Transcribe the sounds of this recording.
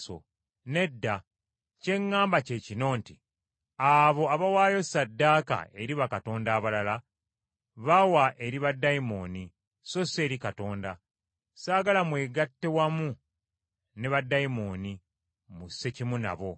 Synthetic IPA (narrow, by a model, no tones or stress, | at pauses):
o̰ | ne̞dːa | ce̞ŋːaːmbace̞ːcino̞ːnti | aβo̞aβawaːjo̞sadːaːka̰ʔe̞ɾiβakato̞ːndaːβalala | βawaʔe̞ɾiβadːajimo̞ːni | so̞se̞ːɾikato̞ːnda | saːɡalamwe̞ːɡatːe̞wamu | neβadːajimo̞ːni | muse̞cimuna̰βo̞